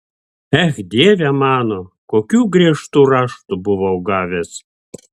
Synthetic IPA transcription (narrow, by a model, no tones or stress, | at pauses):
æxʲd̪ʲevʲæmɑnokokʲuɡrʲeʃt̪urɑʃt̪ubuβowɡɑvʲes